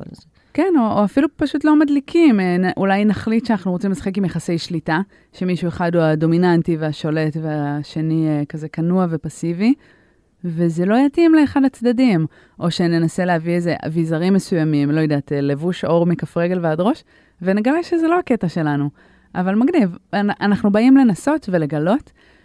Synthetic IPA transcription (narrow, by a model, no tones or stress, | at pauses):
kenooafilupaʃutlo̞madlikʰimenʔulajnaχlit̪ʃeanaχnuʁot͡simlesaχekimjaχasejʃlita | ʃe̞miʃue̞χadhuado̞minantiveaʃo̞le̞tveaʃe̞niekaze̞kanuave̞pasivi | ve̞zelo̞jatimleeχadat͡sd̪adim | ʔo̞ʃe̞ne̞nase̞leɦavieze̞a̰vizaʁimːe̞sujamimlo̞jod̪atele̞vuʃo̞ʁmikafʁeɡe̞lveadʁo̞ʃ | veneɡaleʃezelo̞ake̞taʃe̞lanu | ʔavalmaɡnivʔanaχnubaimle̞naso̞tve̞le̞ɡalo̞t